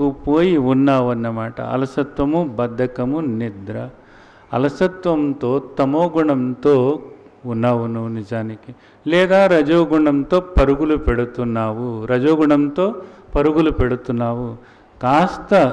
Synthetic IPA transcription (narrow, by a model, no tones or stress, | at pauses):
kupoːjiunːaːʋɐnːɐmaːʈɐ̰ɐ̰lɐsɐt̪ʋɐmubɐd̪ʱːɐkɐmunid̪ɾɐ | ɐ̰lɐsɐt̪ʋɐmt̪oːt̪ɐmoːɡuɳɐmt̪oː | unːaːʋɐnːɐnid͡ʒaːnike | lɛːd̪aːɾɐd͡ʒoːɡuɳɐmt̪oːpɐɾuɡulupeɽut̪ːunaːʋuɾɐd͡ʒoːɡuɳɐmt̪oːpɐɾuɡulupeɽut̪ːunaːʋu | kaːst̪ɐ